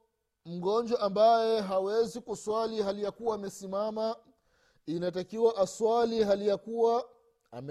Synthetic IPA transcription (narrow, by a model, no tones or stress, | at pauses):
m̩ɡɔnd͡ʒwaʔambajɛɦawɛzikuswaliɦalijakuwaːmɛsimama | inatakiwaʔaswaliɦalijakuwa | am